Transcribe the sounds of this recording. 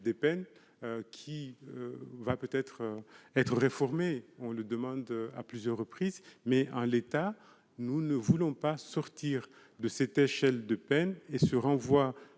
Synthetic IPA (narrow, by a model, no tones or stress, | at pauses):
d̪epɛn | kʲʰiøvapøt̪ɛt̪χɛt̪χəʁefɔʁmeɔ̃ləd̪əmɑ̃d̪a̰plyzjœʁːəpχizmɛɑ̃let̪a | nunəvulɔ̃pasɔʁt̪iʁ | d̪əsɛt̪eʃɛld̪əpɛnesəʁɑ̃vwa